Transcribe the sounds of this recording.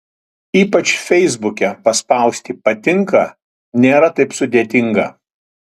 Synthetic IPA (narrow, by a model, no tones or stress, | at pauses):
iːpɐt͡ʃfʲɛɪzbʊkʲɛpɐspɐˑʊsʲt̪ʲiːpɐt̪ʲɪŋkɐ | nʲeːɾɐt̪ɐɪpsʊd̪ʲeːt̪ʲɪŋɡɐ